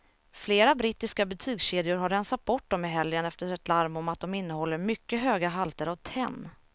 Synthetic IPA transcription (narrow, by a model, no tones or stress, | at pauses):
fleːɾabɾɪt̪ːɪskabɛt̪ʰyːɡɕeːd̪ɪʊɾɦaɾːɛnsat̪̚bɔʈ̚ːd̪ɔmɪɦɛljənɛft̪əɾɛt̪laɾmɔmat̪̚d̪ɔmɪnːəhɔlːəɾmʏkːəɦøːɡaɦalt̪əɾavt̪ʰɛ̰nː